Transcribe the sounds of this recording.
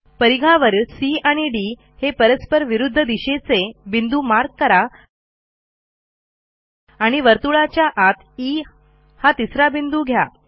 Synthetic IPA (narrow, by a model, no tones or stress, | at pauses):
pəɾiɡʱaʋəɾsiaɽ̃iɖi | hepəɾəspəɾʋiɾud̪ʱːəd̪iɕet͡sebind̪uːmaɾɡ̚kəɾa | aɽ̃iʋəɾt̪uɭat͡ɕjaʔat̪ʰi | hat̪isɾabind̪uːɡʱja